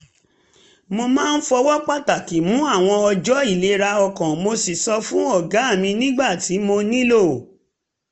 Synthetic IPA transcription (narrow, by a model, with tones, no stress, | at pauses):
mo˧mãː˦˧n̩˦fɔ˧wɔ˦k͡pa˦ta˨ki˨mũ˨˦a˦˨w̃ɔ̃˧ɔ˧d͡ʒɔ˨˦i˦˨le˨˦ɾa˧ɔ˧kɔ̃˨mo˧si˨sɔ˧fũ˦ɔ˦˨ɡa˨˦˨mĩ˧nĩ˦ɡ͡ba˦˨ti˨˦mo˧nĩ˦lo˦˨